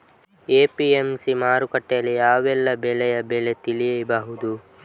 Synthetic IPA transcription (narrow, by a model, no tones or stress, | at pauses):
eːpiemsimaːɾukɐʈːɛjɐlːijaːʋɛlːɐbɛlɛjɐbɛle̞t̪ilijɐbaɦud̪u